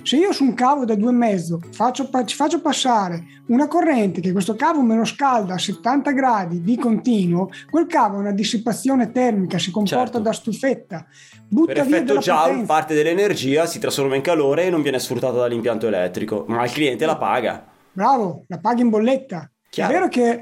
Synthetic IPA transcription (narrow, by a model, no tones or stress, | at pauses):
seiːosuŋkaːvod̪ad̪uːemːɛd̪zːofat͡ʃːoat͡ʃi̥fat͡ʃːopasːaːɾe | unakorːɛnt̪ekekːwest̪okaːvomeloskald̪aːset̪ːant̪aɡɾaːd̪id̪ikont̪iːnwokwelkaːvoɛunad̪isːipːat̪sːjoːnet̪ɛrmikasikompɔrt̪ad̪ast̪ufet̪ːa | butpɾːaviɛatd̪elad͡ʒaɛnpart̪ed̪elːenerd͡ʒiːasit̪ɾasfoɾmaiŋkaloːɾeːnːoɱvjɛːnesfɾut̪ːaːt̪ad̪alːimpjant̪oelɛ̰t̪ːɾiko̰mailkliɛnt̪elapa̰ːɡa̰ | bɾaːvolapaːɡaimbolːet̪ːa | ɛvːeːɾoke